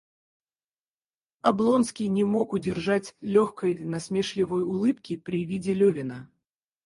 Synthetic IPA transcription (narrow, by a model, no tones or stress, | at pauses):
ɐblˠo̞nskʲɪjnʲɪmo̞kʊdʲɪrʐatʲlʲoxkəjnɐsmʲeʂlʲɪvəjʊlˠɨpkʲɪpɾʲɪvʲidʲɪlʲɵvʲɪnə